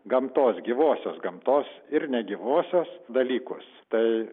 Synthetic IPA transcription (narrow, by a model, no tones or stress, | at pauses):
ɡɐmt̪oːsɡʲiʋoːsʲoːsɡɐmt̪oːsɪrnʲɛɡʲiʋoːsʲoːsd̪ɐlʲiːkʊ̰st̪ɐɪ